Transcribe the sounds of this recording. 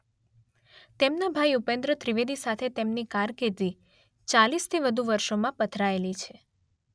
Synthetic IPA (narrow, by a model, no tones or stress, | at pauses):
t̪emnabʱaiupẽnd̪ɾət̪ɾiʋed̪isat̪ʰet̪emnikaɾked̪i | t͡ʃalist̪ʰiʋəd̪ʱuʋəɾʃomãpət̪ʰɾaelit͡ʃʰe